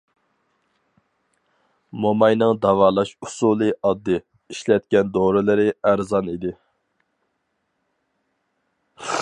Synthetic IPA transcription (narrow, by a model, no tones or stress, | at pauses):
momɑjnɨŋd̪ɑvɑːlˠɑʃusuːlˠɨʔɑd̪ːɨ | iʃlɛt̪̚kʲɛnd̪oɾɨlɨɾɪæɾzɑnid̪ɪ